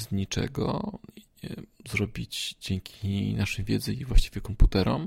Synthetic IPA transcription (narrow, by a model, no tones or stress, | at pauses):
ɲit͡ʂɛ̰ɡɔ̰ | ɛzɾɔbʲid͡ʑd͡ʑɛŋkʲʰinaʂɛjvʲjɛd̪zɛivwaɕt͡ɕi̥vʲjɛkɔmput̪ɛɾɔm